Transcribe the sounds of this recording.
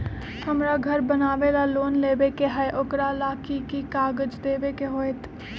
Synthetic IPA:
həmɾaɡʱəɾbənaːʋelaloːnleːbekeɦəʔʊkɾalaːkikikaːɡəd͡ʒd̪eːʋekeɦoːet̪

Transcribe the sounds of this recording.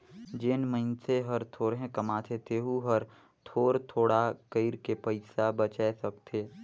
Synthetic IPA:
d͡ʒɪnmənseɦɐɾt̪ʰoːɾɦẽkɐmaːt̪ʰet̪ʰeɦuɦəɾ | t̪ʰoːɾt̪ʰoːɽakəɪɾkepəɪsabət͡ʃɛsəkt̪ʰeː

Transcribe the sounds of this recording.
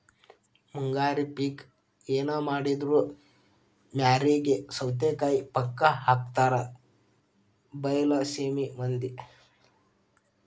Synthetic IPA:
muŋɡaːɾipiːk | eːnaːmaːɽid̪ɾuː | mʲaːɾiːɡesɐwt̪eːkaːjipɐkːɐɦaːk̚t̪aːɾɐ | bɐjɐlɐseːmimɐnd̪i

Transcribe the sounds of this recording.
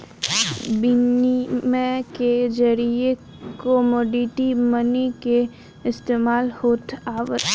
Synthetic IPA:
bɪnimẽked͡ʒəɾie | kɔmɔːɖiʈimənike | ɪst̪eːmaːlhoːt̪aːʋə

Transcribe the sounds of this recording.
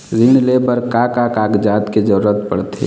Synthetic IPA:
zɪnlebəɾkaːkakaːɡd͡ʒaːd̪ked͡ʒəɾuɾət̪pəɽt̪ʰḛː

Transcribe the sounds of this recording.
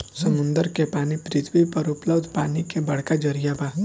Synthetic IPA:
səmund̪əɾkepanipɾɪt̪ʰʋipəɾupləbd̪paːnikebəɽ̤kad͡ʒəɾijaba

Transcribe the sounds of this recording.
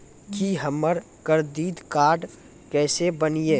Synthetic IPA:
kiɦəməɾ | kəɾd̪iːd̪kaːɾɖ | kɛːsebənieː

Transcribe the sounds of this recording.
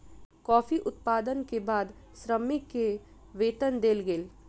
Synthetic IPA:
kɔːfiʔʊt̪̚paːd̪ənkebaːd̪ | sɾəmɪkːe | ʋeːt̪ənd̪eːlɡeːl

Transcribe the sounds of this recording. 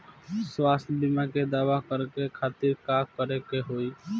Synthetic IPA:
swast̪d̪imaked̪aːʋakəɾkekʰaːt̪iɾkakəɾekeɦoi

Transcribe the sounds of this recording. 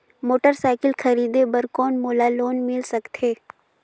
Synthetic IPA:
moːʈəɾsaːɪkɪlxɐɾiːd̪ebɐɾkɔːnmoːlaloːnmɪlsɐkt̪ɦeː

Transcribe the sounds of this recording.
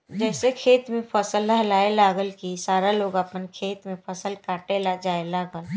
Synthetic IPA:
d͡ʒɛːsekʰeːt̪mẽpʰəsəlːaɦlaːelaːɡəlkisaːɾaloːɡəpənkʰeːt̪mẽpʰəsəlkaːʈelad͡ʒaːelaːɡəl

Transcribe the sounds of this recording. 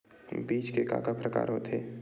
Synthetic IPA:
biːt͡ʃkeka̰ːkapɾəka̰ːɾɦot̪ʰeː

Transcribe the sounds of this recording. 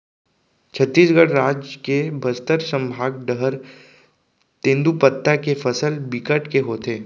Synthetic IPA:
t͡ʃʰət̪ːiːsɡəɽɾaːd͡ʒkebʱɐst̪əɾsə̃mbʱaːɡɖəɦəɾ | t̪ẽnd̪upət̪ːakefəsəlbɪkəʈkeɦoːt̪eː

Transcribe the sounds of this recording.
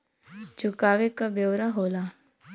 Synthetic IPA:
t͡ʃʊkaːʋekabjoːɾaɦoːlaː

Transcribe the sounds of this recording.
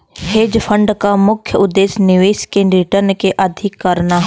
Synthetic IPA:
heːd͡ʒpʰə̃ɳɖkamʊkʰjəʊd̪ːeːsnɪʋeːskeɾɪʈəɾnkeʔɐd̪ʱɪkːɐɾnaɦ

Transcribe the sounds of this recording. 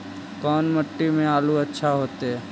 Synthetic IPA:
kɔːnməʈːimẽaːluːətːʃʰaɦoːt̪e

